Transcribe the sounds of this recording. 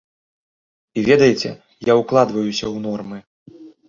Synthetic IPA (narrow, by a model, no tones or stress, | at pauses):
ivʲɛd̪ɐjɛt͡sʲɛ̰ | jawklˠad̪vɐjusʲɐwnɔrmɨ